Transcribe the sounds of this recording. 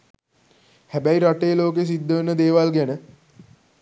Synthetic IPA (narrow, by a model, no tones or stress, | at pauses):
hæbæiɾaʈejːloːk̬es̬id̪ːəʋənəd̪eːʋalɡænə